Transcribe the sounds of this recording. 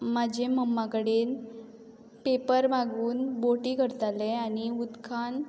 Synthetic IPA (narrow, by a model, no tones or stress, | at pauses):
mad͡ʑʱeməmːãkəɽeːn | pepəɾbaɡuːnboʈiːkəɾt̪aleaniud̪kʰan